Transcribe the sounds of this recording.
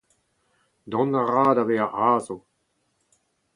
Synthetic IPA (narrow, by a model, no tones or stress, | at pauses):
d̪ɔ̃naʁaːdaveːaʔaːzo